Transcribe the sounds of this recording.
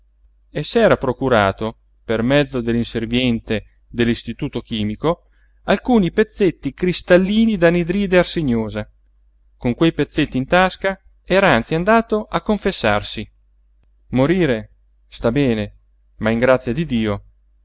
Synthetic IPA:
esːɛːɾapɾokuɾaːt̪o | permɛd̪zːod̪elːinservjɛnt̪e | d̪elːist̪it̪uːt̪ok̟iːmiko | alkuːnipet̪sːet̪ːikɾist̪alːiːnid̪anid̪ɾiːd̪earseɲoːza | koŋkwejpet̪sːet̪ːint̪aska | ɛːɾaant̪siand̪aːt̪oʔakːoɱfesːarsi | moɾiːɾe | st̪abɛːne | maiŋɡɾat̪sjad̪id̪iːo

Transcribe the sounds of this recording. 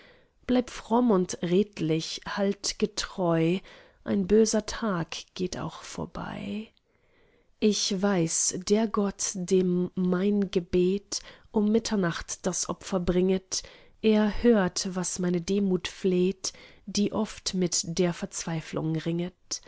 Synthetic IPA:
b̥laɪptfʁ̥ɔmʊntʁeːtlɪçhaltɡ̥ətʁ̥ɔʏ | ʔa̰ɪnbøːzɐtʰaːkɡ̥eːtʰa̰ʊxfoːɐba̰ɪ | ʔɪçvaɪsd̥eːɐɡɔtd̥eːmːaɪnɡəbeːtʔʊmːɪtʰɐnaχtd̥asʔɔ̰pfɐbʁɪŋət | ʔeːɐhøːɐtvasmaɪnədeːmuːtfleːtd̥iːʔɔftmɪtd̥eːɐfɛɐt͡sv̥aɪflʊ̰ŋʁɪŋət

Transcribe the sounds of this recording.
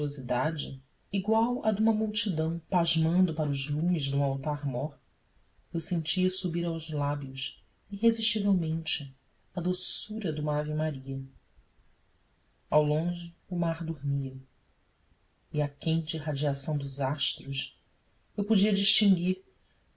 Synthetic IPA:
ozid̪ad͡ʒɪː | ɡwawɐd̪ũmɐmuwt͡ʃid̪ɐ̃w̃paʒmɐ̃nd̪ʊpaɾɐʊzlũmɪzd̪ũawt̪aɾmɔɾ | ewsẽnt͡ʃiɐsubiɾawzlabiʊs | iɦeziʃt͡ʃivewmẽnt͡ʃɪ | ɐd̪osuɾɐd̪ũmɐavimaɾiɐ | awlõʒɪʊmaɾd̪uɾmiɐ | ɪakẽnt͡ʃɪiɦad͡ʒiasɐ̃w̃d̪ʊzaʃt̪ɾʊs | ewpod͡ʒiɐd͡ʒiʃt͡ʃĩŋɡiɾ

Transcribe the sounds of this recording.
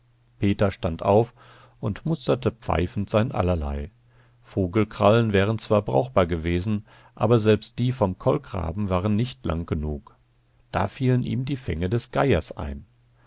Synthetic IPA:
pʰeːtɐʃtantʔa̰ʊf | ʔʊntmʊstɐtəpp͡fa̰ɪfn̩tz̥aɪnʔa̰lɐla̰ɪ | foːɡl̩kʁ̥alənvɛːʁ̞ənt͡sv̥aːɐbʁa̰ʊxb̥aːɐɡəveːzn̩ | ʔa̰ːbɐzɛlpst̚d̥iːfɔmkʰɔlɡʁa̰ːbm̩vaːʁənːɪçtla̰ŋɡənuːk | d̥a̰ːfiːlənʔḭːmdiːfɛ̰ŋədɛsɡ̥aɪɐsʔa̰ɪn

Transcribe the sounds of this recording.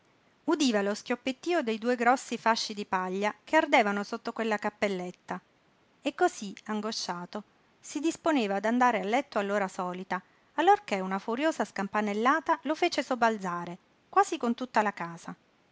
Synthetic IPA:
ud̪iːvaloskjopːet̪ːiːod̪ejd̪uːeɡɾɔsːifaʃːid̪ipaʎːakʰeard̪eːvanosot̪ːokwelːakapːelːet̪ːa | ekːoziaŋɡoʃːaːt̪o | sid̪isponeːvaːd̪and̪aːɾealːɛt̪ːoalːoːɾasɔːlit̪aː | lːorkeunafuɾjoːzaskampanelːaːt̪alofeːt͡ʃesobald̪zaːɾe | kwaːzikont̪ut̪ːalakaːza

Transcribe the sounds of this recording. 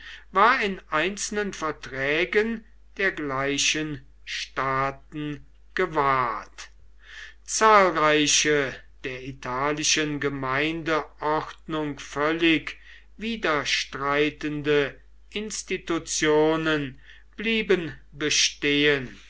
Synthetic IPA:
vaːɐɪnʔaɪnsl̩nənfɛɐtʁ̥ɛːɡən | d̥eːɐɡlaɪɕən | ʃtaːt̚n̩ | ɡ̥əvaːɐt | t͡saːlʁaɪɕəd̥eːɐitʰaːlɪʃənɡəmaɪndəʔɔχtnʊŋkfœlɪk | viːdɐʃtʁaɪtəndə | ʔɪnstitut͡sjoːnən | b̥liːbənbəʃteːən

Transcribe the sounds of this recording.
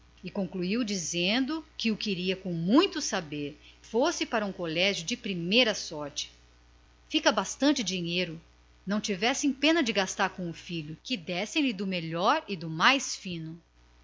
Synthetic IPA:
ɪkõkluiwd͡ʒizẽnd̪ʊkɪʊkɪɾiɐkõw̃mũj̃t̪ʊsabeɾfosɪpaɾɐũkolɛʒjʊd͡ʒɪpɾimejɾɐsɔɾt͡ʃɪ̥ | fikɐbast̪ɐ̃nt͡ʃɪd͡ʒiɲejɾʊ | nɐ̃w̃t͡ʃivɛsẽj̃pẽnɐd͡ʒɪɡast̪aɾkõʊfiʎʊkɪd̪ɛsẽj̃lɪd̪ʊmeʎɔɾɪd̪ʊmajsfĩnʊ

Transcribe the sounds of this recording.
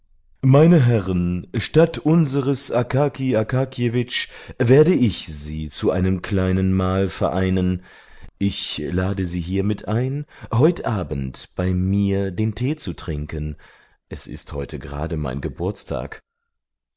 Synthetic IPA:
maɪnəɦɛʁənʃtatʔʊnzəʁəsʔakʰaːkʰiakʰaːkʰjevɪt͡ʃveːɐdəɪçz̥iːt͡suʔaɪnəmkʰlaɪnənmaːlfɛɐʔaɪnən | ʔɪçlaːdəziːɦiːɐmɪtʰʔaɪnɦɔʏtʔaːbən̩tb̥aɪmiːɐdeːntʰeːt͡sutʁ̥ɪŋkən | ʔɛsɪ̰sthɔʏtʰəɡəʁa̰ːdəma̰ɪnɡəbʊɐt͡stʰa̰ːk

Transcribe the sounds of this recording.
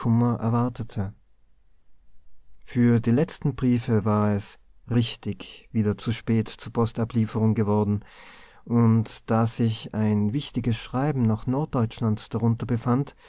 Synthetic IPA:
ʊmɐʔɛ̰ɐvaɐtʰətʰə | fyːɐdiːlɛt͡stn̩bʁiːfəvaːʁɛs | ʁɪçtɪçv̥iːdɐt͡suʃpɛːtt͡suːɐpʰɔstapliːfəʁʊŋɡəvɔɐdn̩ | ʔʊntd̥aːz̥ɪçaɪnvɪçtɪɡəsʃʁ̥aɪbm̩naχnɔɐt̚d̥ɔʏt͡ʃlantd̥aʁʊntɐbəfant

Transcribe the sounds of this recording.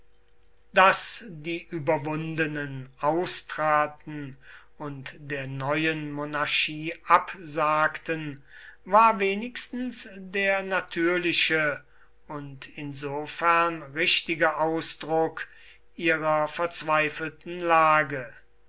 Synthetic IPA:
d̥asdiːʔyːbɐvʊndənənʔaʊstʁ̥aːtn̩ | ʊntd̥eːɐnɔʏənmonaɐʃiːʔapzaːktən | vaːɐveːnɪkstn̩sdeːɐnatʰyːɐlɪʃə | ʊntɪnzoːfɛɐnʁɪʃtɪɡəʔaʊsd̥ʁʊk | ʔiːʁɐfɛɐt͡sv̥aɪfəl̩tn̩laːɡə

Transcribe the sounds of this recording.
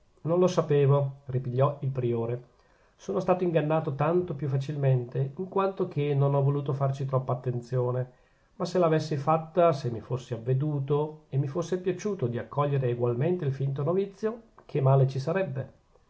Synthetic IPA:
nonlosapeːvoripiʎːɔilpɾioːɾe | soːnost̪aːt̪oiŋɡanːaːt̪ot̪ant̪opjufːat͡ʃilment̪eiŋkwant̪ok̟ʰenonɔvoluːt̪ofart͡ʃit̪ɾɔpːaːt̪ːent̪sjoːne | masːelaːvesːifat̪ːasemːifosːiavːed̪uːt̪oemːifosːepjat͡ʃuːt̪od̪iakːɔʎːeɾeːɡwalment̪eilfint̪onovit̪sːjokʰemaːlet͡ʃisaɾɛbːe

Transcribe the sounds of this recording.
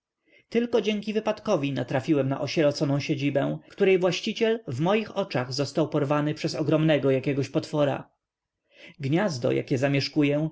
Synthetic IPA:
t̪ɘlkɔd͡ʑɛŋkʲivɘpat̪kɔvʲinat̪ɾafʲiwɛmna̰ʔɔɕɛɾɔt̪sɔnɔ̃w̃ɕed͡ʑibɛ̃kt̪uɾɛjvwaɕt͡ɕit͡ɕɛlvmɔjixɔt͡ʂaɣzɔst̪awpɔɾvanɘpʂɛzɔɡɾɔmnɛɡɔjakʲɛɡɔɕpɔt̪fɔɾa̰ | ɡɲazd̪ɔ̰ja̰kʲɛzamʲjɛʂkujɛ

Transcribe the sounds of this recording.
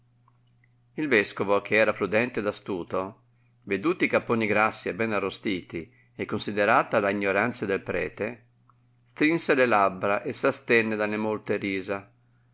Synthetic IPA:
ilvɛskovok̟eɛːɾapɾud̪ɛnt̪ed̪ast̪uːt̪o | ved̪uːt̪iikapːoniɡɾasːiɛbɛnarːost̪iːt̪i | ekːonsid̪eɾaːt̪alaiɲːoɾant̪sad̪elpɾɛ̰ːt̪e | st̪ɾinselelabːɾaʔesast̪ɛnːed̪alemolt̪eɾiːza

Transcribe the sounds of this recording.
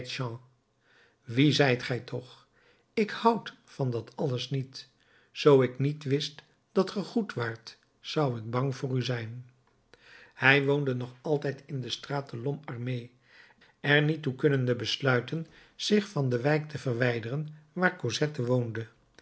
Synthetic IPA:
tʃɑ̃ː | ʋizɛjtχɛjtʰɔχ | ɪkhʌwt | fɑndɑtʰɑləsnit | z̥owɪknitʋɪst | d̥ɑtχəχutʋaːɹt | sɑwəd̚bɑŋvʊːryzɛjn | hɛjʋowndənɔχɑlˠtɛjtʰɪndəstraːtəlɔmɑɹmej | ɛrnitːukɵnəndəbəslœɥtən | z̥ɪχfɑndəʋɛjk̚tʰəvərʋɛjdərənʋaːɹkozɛtəʋowndə

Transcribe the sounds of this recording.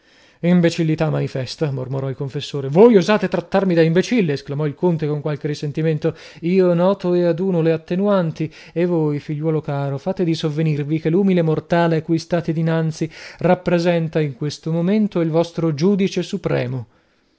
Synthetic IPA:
imbet͡ʃilːit̪amːanifɛst̪amormoɾɔilkoɱfesːoːɾevojuzaːt̪et̪ɾat̪ːarmid̪aimbet͡ʃilːeːsklamɔilkont̪ekoŋkwalk̟erːisent̪iment̪o | iːonɔːt̪oead̪uːnoleat̪ːenuant̪i | evːojfiʎːwɔːlokaːɾofaːt̪ed̪isovːenirvikeluːmilemort̪aːleakːujst̪aːt̪ed̪inant̪sirapːɾezɛnt̪aiŋkwest̪omoment̪oilvɔst̪ɾod͡ʒuːd̪it͡ʃesupɾɛ̰ːmo

